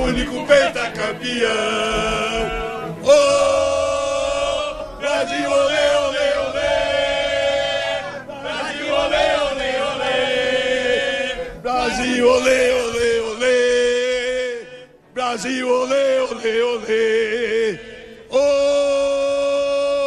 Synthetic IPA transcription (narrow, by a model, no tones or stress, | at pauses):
unikupejt̪akapia | o | bɾazioleoleolee | azioleoleole | bɾazioleoleole | bɾaziwoleoleole | o